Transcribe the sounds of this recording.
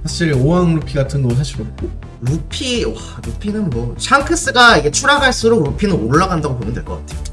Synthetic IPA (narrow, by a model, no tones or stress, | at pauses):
sʰaɕʰiɾowaŋɾupʰiɡatʰɯnːos̬ʰaɕʰiɾok͈o | ɾupʰiwa | ɾupʰinɯnmwʌɕʰaŋkʰɯs͈ɯɡaiɡe̞t͡ɕʰuɾaɡaɭs͈uɾok̚ɾupʰinɯnoɭːaɡandaɡopomjʌndweɭk͈ʌk͈atʰe̞jo